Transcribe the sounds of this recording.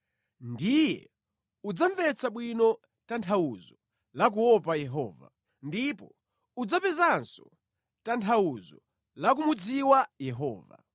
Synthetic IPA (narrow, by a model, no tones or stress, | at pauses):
ndijɛ̰ | ud͡zaɱvɛt͡sʰaɓwinɔ | tantʰawuzɔ | lak̬uɔpajɛɦɔːva̰ | ndipɔ | ud͡zapɛzansɔ | tantʰawuzɔ | lak̬umud͡ziwajɛɦɔːva̰